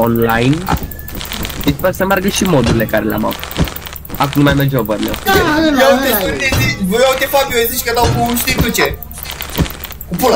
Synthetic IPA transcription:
onlajn | ispersəmearɡəʃimod̪uɾilekaɾelea̰ma̰vut̪ | ak̬umnmːajmerd͡ʒobəɾleweat̪et̪ueziʃvojawt̪ʲefabʲjoeziʃkəd̪awkuʃt̪it̪ut͡ʃe | upula

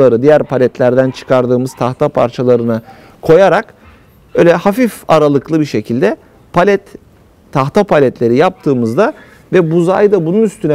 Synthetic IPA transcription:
aɾɯd̪ijæɾpʰalʲɛt̪lʲæɾd̪ænt͡ʃʰɯ̥kʰaɾd̪ɯːmɯz̥t̪ʰaxt̪ʰapʰa̰ɾt͡ʃʰalˠaɾɯnɯ | kʰo̞jaɾak | bøjlʲɛhafifaɾalˠɯklˠɯbiɾʃe̞cʰilʲd̪ɛ | pʰalʲɛt̪ʰː | axt̪ʰapʰalʲɛt̪lʲe̞ɾijap̚t̪ʰɯːmɯzd̪a | vɛbuzajd̪abununyst̪ʰynɛ

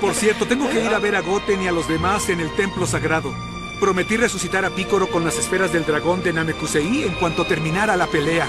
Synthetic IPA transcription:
po̞ɾsje̞ɾt̪o̞t̪e̞ŋɡo̞ke̞iɾaβe̞ɾaɣo̞t̪e̞nialo̞zðe̞mase̞ne̞lt̪e̞mplo̞saɣɾaðo̞ | pɾo̞met̪ire̞susit̪aɾapiko̞ɾo̞konlase̞sfe̞ɾazðe̞ld̪ɾaɣo̞nd̪enamekuseieŋkwant̪o̞t̪e̞ɾmĩnaɾalape̞le̞a

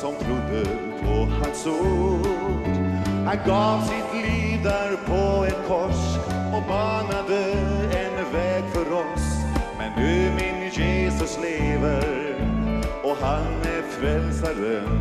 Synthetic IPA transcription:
sɔmbɾuːd̪ə | pʰɔhanso | d̪hanɡɑːvsɪt̪liːd̪aɾpʰɔɛnpʰɔʂɔbɑːnad̪əɛnvɛːɡfœɾɔsmɛndʉmenəjeːsɵsleːvəɾ | ɔɦanæɾfɾɛlsad̪ə

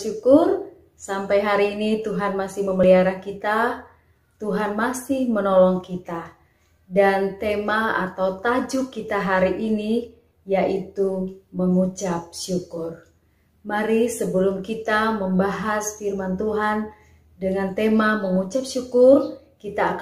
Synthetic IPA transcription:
ukʊr | sampajɦaɾiːnit̪uɦanmasɪhməməliaɾahkit̪a | t̪uɦanmasɪhmənɔlɔŋkit̪a | dant̪emaa̰t̪awt̪ad͡ʒukːit̪aɦaɾiʔini | jaʔit̪uməŋut͡ʃap̚ʃukʊr | maɾisəbəlumkit̪aməmbaɦasfirmant̪uɦan | dəŋant̪emaməŋut͡ʃap̚ʃukʊr | kit̪aːk

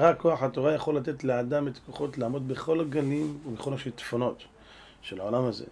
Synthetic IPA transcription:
ʁakːo̞aħat̪o̞ʁajaχo̞lːat̪e̞t̪lead̪amet̪koχo̞t̪laːmo̞d̪beχo̞laɡalimumeχonoʃelt̪fono̞t̪ | ʃelaʕolamazḛ

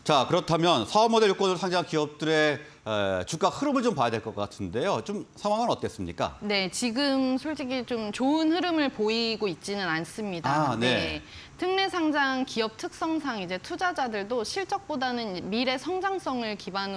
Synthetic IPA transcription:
t͡ɕakɯɾʌtʰamjʌnsʰaʌmʌdejok͈ʌdɯɭsʰaŋd͡ʑakiʌp̚t͈ɯɾe̞ | t͡ɕuk͈ak̚hɯɾɯmɯɭt͡ɕompajadwe̞ɭk͈ʌk͈atʰɯnde̞jot͡ɕomsʰaŋwaŋɯnʌt̚k͈e̞s͈ɯmɲḭk͈a̰ne̞t͡ɕiɡɯmsʰoɭt͡ɕiɡit͡ɕomt͡ɕoɯnɦɯɾɯmɯɭpoiɡoit̚t͡ɕ͈inɯnans͈ɯmɲidane̞ | tʰɯŋne̞sʰaŋd͡ʑaŋkiʌp̚tʰɯk̚s͈ʌŋsʰaŋid͡ʑe̞tʰud͡ʑad͡ʑadɯɭdoɕʰiɭt͡ɕ͈ʌk̚p͈odanɯnmiɾe̞sʰʌŋd͡ʑaŋs͈ʌŋɯɭkiban

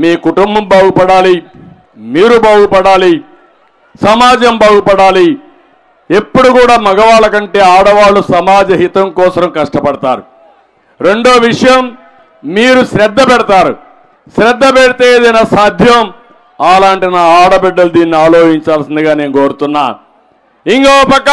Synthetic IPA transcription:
miːkuʈumbɐmbaːɡupɐɽaːli | miːɾubaːɡupɐɽaːli | sɐmaːd͡ʒɐmbaːɡupɐɽaːli | e̞pːuɽukuːɽaːmɐɡɐʋaːɭɐkɐɳʈe̞ːaːɽɐʋaːɭːusɐmaːd͡ʒɐɦit̪ɐŋkɔːsɐɾɐmkɐʂʈɐpɐɽɐt̪aːɾu | ɾe̞ɳɖo̞ːʋiʂɐjɐm | miːɾusɾɛd̪ːɐpɛɽɐt̪aːɾṵ | ʃɾɛd̪ːɐpɛɽit̪eːd̪ɐjnasaːd̪ʱjɐm | aːlaːɳʈinaːaːɽɐbɛɖːɐlud̪iːnːiaːloːd͡ʒiɲt͡ʃaːlsind̪iɡaːneːnuko̞ːɾut̪unːa̰ː | iŋɡoːɐpɐkːɐ

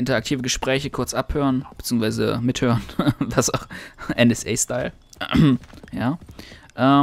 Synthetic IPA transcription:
ʔɪntɐak̚tʰiːvəɡəʃpʁ̥ɛːçəkʰʊɐt͡sʔaphøːʁənb̥ə̥t͡siːəŋsv̥aɪzə̰mɪthøːʁənvasaxʔɛnɛsʔɛːstaɪl | jaːʔɛː

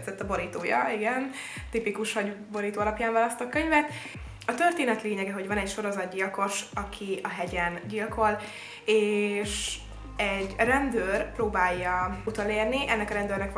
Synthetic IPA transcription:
t̪zɛt̪ːɒbo̞ɾiːt̪oːjɒ̰iɡɛn | t̪ipikuʃhɒɟbo̞ɾiːt̪oːɒlɒpjaːɱvaːlɒst̪okøɲvɛt̪ | ɒt̪ørt̪eːnɛt̪leːɲɛɡɛɦo̞ɟvɒnɛcʃo̞ɾo̞zɒd̪̚ɟiɒko̞ʃɒkʰiɒɦɛɟɛnɟilkʰo̞l | eːʃ | ɛɟrɛnd̪øːrproːbaːjːɒut̪oleːrniʔɛnːɛkɒɾɛnd̪øːrnɛk

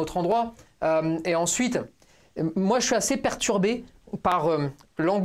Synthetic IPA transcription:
ot̪χɑ̃d̪ʁwa | ømeɑ̃sɥit̪ | mwaʒəsɥiasepɛʁt̪yʁbepaʁølɑ̃ɡ

